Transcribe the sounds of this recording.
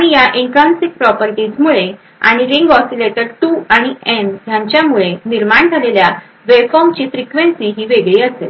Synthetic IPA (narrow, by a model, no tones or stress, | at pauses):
aɽ̃ijaʔiŋkɾansik̚pɾɔpəɾʈiːt͡smuɭe | a̰ɽ̃iɾiŋɡɔsileʈəɾʈuaɽ̃iɛnɦ̪jãɲt͡ɕjamuɭeniɾmaɳd͡zʱalelja | ʋefɔɾmt͡ɕiːfɾikʋẽnsiːɦiːʋeɡɭiːəsel